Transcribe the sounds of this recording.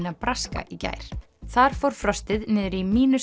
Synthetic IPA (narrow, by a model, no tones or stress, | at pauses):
napɾaska̰ʔica̰ːjɾ̥ | θaɾ̥fɔwɾ̥fɾœst̪ɪðnɛːðʏɾimiːnʏs